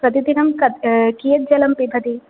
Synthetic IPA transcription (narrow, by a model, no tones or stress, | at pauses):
ɾɐt̪id̪inɐmkɐkijɐt̪̚d͡ʒɐlɐmpibʱɐd̪i